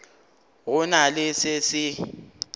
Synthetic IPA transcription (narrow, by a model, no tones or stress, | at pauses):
ɣʊnalɪsɪsɪ